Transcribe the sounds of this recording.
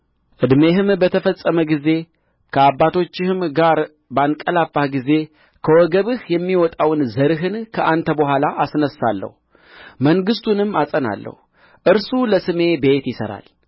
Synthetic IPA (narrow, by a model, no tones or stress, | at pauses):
ʔɨd̪me̞ɦɨmbət̪ʰəfəsʼːəməɡize̞ | kʰəabːat̪ʰo̞t͡ʃːɪhɨmɡaɾ | bəankʼəlafːahɡize̞ | kʰəwɔɡəβɨhjɛmːiwɔt̪ʼawnzəɾɨɦɨnkʰəʔant̪ʰəbəhʷalaʔasnəsːalːə̰hu | məŋɡɨst̪ʰunɨmːasʼəna̰lːə̰hu | ʔɨɾsuləsɨme̞be̞t̪jɪsə̰ɾa̰l